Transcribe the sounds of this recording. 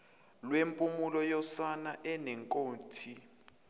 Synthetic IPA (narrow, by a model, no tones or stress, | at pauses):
lwempʼumulɔjɔsanaʔɛnɛŋkʼoːntʰi